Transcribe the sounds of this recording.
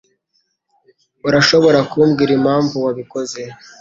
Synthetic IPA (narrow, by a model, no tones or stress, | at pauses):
uɾaʃo̞βo̞ɾakuːmɡiːɾimaːɱvuwaβiko̞ze̞